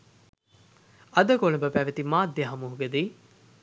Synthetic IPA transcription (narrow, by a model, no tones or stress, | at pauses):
ɐd̪ɐkolɐbɐpæːʋet̪imaːd̪jɐɦɐmuɦuɡed̪iː